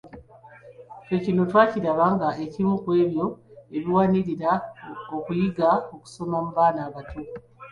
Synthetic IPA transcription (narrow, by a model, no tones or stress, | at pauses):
fe̞cino̞twaːciɾaβaːŋɡae̞cimukwe̞ːβjo̞e̞βiwaniɾiɾaokujiɡaoku̥so̞mamuβaːnaːβato